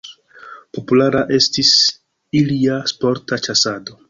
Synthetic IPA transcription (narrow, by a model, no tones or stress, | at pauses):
po̞pulaɾaʔe̞stis | iliaspo̞ɾtat͡ʃasado̞